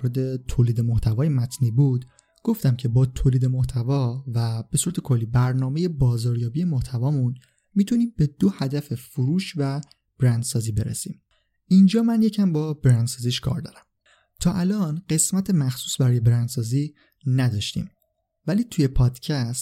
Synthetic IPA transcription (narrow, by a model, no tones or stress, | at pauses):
ɾed̪e̞t̪ʰoːliːd̪e̞moht̪ʰævɒːjemæt̪ʰniːbud̪ | ɡ̥o̞ft̪æmcʰe̞bɒːt̪ʰoːliːd̪e̞moht̪ʰævɒvæb̥e̞suɾæt̪ʰekʰo̞lːiːbæɾnɒːme̞je̞bɒːzɒːɾjɒːbie̞moht̪ʰævɒːmun | miːt̪ʰuniːmbe̞d̪̥ohæd̪æfe̞foɾuːʃvæ | b̥ɾænd̪sɒːziːbe̞ɾḛsḭːm | ind͡ʒɒːmænje̞cʰæmbɒːbɾænd̪sɒːziːʃkʰɒ̰ːɾd̪ɒ̰ːɾæm | t̪ʰɒːʔælɒːnɢe̞smæt̪ʰemæxsuːsbæɾɒːje̞bɾænd̪̥sɒːziː | næd̪ɒːʃt̪ḭːm | væliːt̪ʰuje̞pʰɒːd̪̥cʰæst̪